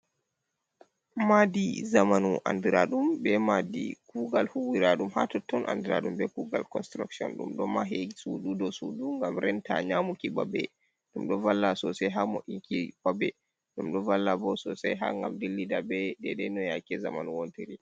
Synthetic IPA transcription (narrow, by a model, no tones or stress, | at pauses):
madizamanuʔa̰ndiɾaɗumbɛmadḭkuɡalhuwiɾaɗumha̰tɔtːɔnʔa̰ndiɾa̰ɗumbɛkuɡa̰lkɔnstɾaksɔ̰nɗṵmɗɔmaɦeɡisuɗudɔsuduŋɡamɾɛnta̰ɲamukibabɛ̰ | ɗumɗɔvalːasɔsɛjɦamɔʔikibabɛ | ɗumɗɔvalːabɔsɔsɛjɦa̰ŋɡamdilːidabɛɗɛɗɛnɔjakɛzamanuwontiɾi